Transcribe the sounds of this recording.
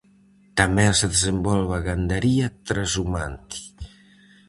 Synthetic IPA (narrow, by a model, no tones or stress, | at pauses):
t̪amɛseðezembɔlβaɣand̪əɾiat̪ɾazumant̪i̥